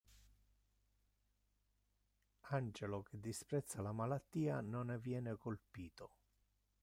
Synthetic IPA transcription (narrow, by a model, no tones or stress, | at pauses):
and͡ʒelok̟ʰɪd̪ːispɾɛt̪sːalamalat̪ːiːanonvjɛːnɪkolpiːt̪o